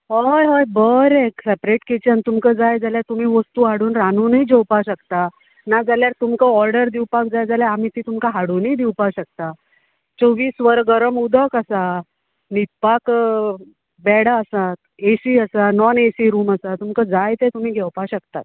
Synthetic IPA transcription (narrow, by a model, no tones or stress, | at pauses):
ɦɔjɦojbəɾeksepɾeʈket͡ɕənt̪umkəd͡zajd͡zaljaɾt̪um̤iːʋəst̪uːɦaɽuːnɾanuːnid͡ʑəwpaɕəkt̪a | nad͡zaljaɾt̪umkəɔɾɖəɾd̪iwpakd͡zajd͡zaljaam̤it̪iːt̪umkaɦaɽuːniːd̪iwpaɕək̚t̪a | t͡soʋiːsʋəɾɡəɾəmud̪ʱəkəsa | nit̪̚pak | bɛɽaəsat̪ | esiːəsanɔnesiːɾuːməsat̪umkəd͡zajt̪et̪um̤iːɡʱɛwpaɕəkt̪at̪̚